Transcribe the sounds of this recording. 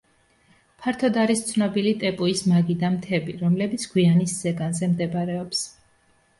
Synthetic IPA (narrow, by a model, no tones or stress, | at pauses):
pʰaɾt̪ʰɔd̪aɾist̪sʰnɔbilit̪ʼɛpʼuismaɡid̪amt̪ʰɛbiɾɔmlɛbit̪sʰɡ̥wianisz̥ɛɡanzɛmd̪ɛbɾɛɔps